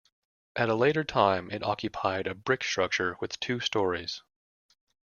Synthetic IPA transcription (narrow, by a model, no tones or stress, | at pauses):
ʔɨɾəleɪɾə˞tʰãɪ̃mʔɪɾɑkʰjɨpʰaɪɾɨbɹɪkstɹ̥ʌk̚t͡ʃə˞wɨð̥tʰʉstɔɹiz̥